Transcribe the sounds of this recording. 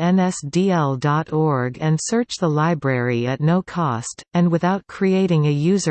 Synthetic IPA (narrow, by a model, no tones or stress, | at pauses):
ɛ̃nɛsd̥iɛlˠdɑɾɔɹɡɨ̃nsɜ˞t͡ʃðəlaɪbɹɛɹiɨtⁿnoʊkʰɔstɨ̃nwɨθaʊt̚kʰɹ̥ieɪɾɪ̃ŋɨjʉzə